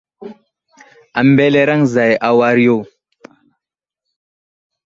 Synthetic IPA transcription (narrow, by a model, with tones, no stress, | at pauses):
a˨mbe˦le˦ɾa˦ŋza˨jʔa˨wa˦ɾi˦jo˦